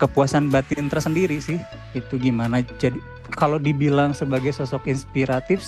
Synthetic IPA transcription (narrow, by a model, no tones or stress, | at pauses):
kəpuasanbat̪int̪əɾasəndiɾisɪh | it̪uɡimanad͡ʒadi | kalodibilaŋsəbaɡajsɔsɔkinspiɾat̪ɪf